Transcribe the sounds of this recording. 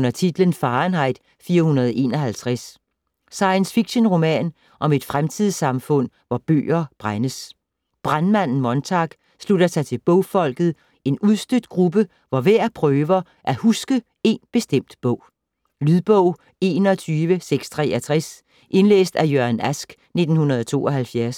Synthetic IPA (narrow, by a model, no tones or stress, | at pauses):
nɐt͡sʰid̥lənsfɑ̈ːnɦɑ̈ɪ̰d̥ | fiːɐhunɐðˠe̝̰ːnɒ̽ɦælt͡sʰʁas | sɑ̈ɪənsfiɡ̥ɕonʁo̝mɛ̰ːn | ʔɒ̽me̝d̥fʁamt͡sʰið̞̰ˠsɑ̈mfɔ̽n̰ | ʋɒb̥ø̰ːɐb̥ʁanəs | b̥ʁanmæn̰n̩mɒ̽nt͡sʰɑ̈ɡ̥ | slud̥ɐsʰæt͡sʰe̝lb̥ɔ̽ʊfɒ̽l̰ɡ̥ð̞̩ˠ | e̝nuðˠsd̥ød̥̚ɡ̥ʁub̥ə | ʋɒʋæɐ̰pʰʁœːʋɐ | ʔæhusɡ̥ə | e̝nb̥e̝sd̥em̰d̥b̥ɔ̽ʊ̰ | lyðˠb̥ɔʊ̰ | e̝ːnɒt͡sʰyːʋəseɡ̥st͡sʰʁɛːæt͡sʰʁas | ʔe̝nlḛːsd̥æjøɐnæsɡ̥ | ne̝d̥n̩hunɐð̞̩ˠt͡sʰo̝̰ːɒ̽ɦælfjæɐs